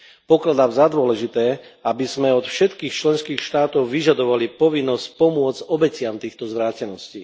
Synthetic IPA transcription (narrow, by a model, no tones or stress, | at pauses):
pɔklad̪aːmzad̪ʊɔlɛʒit̪ɛːabizmɛɔt̪fʃɛt̪kiːxt͡ʃlɛnskiːxʃt̪aːt̪ɔʊʋiʒad̪ɔʋalipɔʋinːɔscpɔmʊɔd͡zɟɔbɛcɪamt̪iːxt̪ɔzʋɾaːcɛnɔsciː